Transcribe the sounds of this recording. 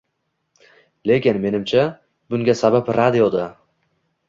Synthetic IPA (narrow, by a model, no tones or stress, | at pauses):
le̞kʲɪnme̞nɪmt͡ʃʰa | bʊŋɡʲasabapɾad̪ijod̪a